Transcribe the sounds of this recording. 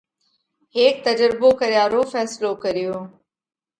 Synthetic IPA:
ɦeːk̚t̪əd͡ʒɾɪbokəɾjaːɾoːfɛːsɪlokəɾɪjoː

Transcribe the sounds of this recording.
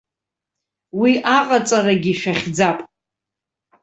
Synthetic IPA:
wiʔaqʼat͡sʼaraɡʲiʃᶣaχʲd͡zapʼ

